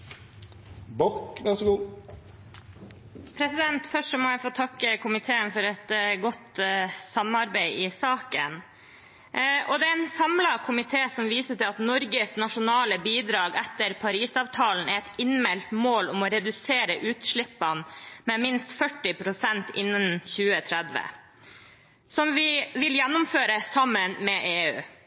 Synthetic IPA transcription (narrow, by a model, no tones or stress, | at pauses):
bɔkʋæɾsɡuː | pʰɾɛsɪd̪ɛnt̪fœʂɔmɔjæɪfoːt̪ʰɑkːəkʰʊmɪt̪ʰeːənfɔɾɛt̪ɡɔt̪sɑmɑɾbæɪɪsɑːkə̰n | ʔɔd̪ɛænsɑmlɑkʰʊmɪt̪ʰeːsɔmʋiːsəʈɪlɑt̪nɔɾɡəsnɑʂʊnɑːləbiːd̪ɾɑːɡɛt̪ːəɾpʰɑɾiːsɑːʋt̪ʰɑːln̩ɛt̪ɪnmɛlt̪moːlʊmɔɾɛd̪ʉseːɾəʔʉːt̪ʂɭɪpːɑnmɛmɪnst̪fœʈːɪpʰɾʊsɛnt̪ɪnːənçʉːət̪ʰɾɛd̪ʋə̰ | sɔmʋɪʋɪljænːʊmføːɾəsɑmːənmɛʔeːʉ̰ː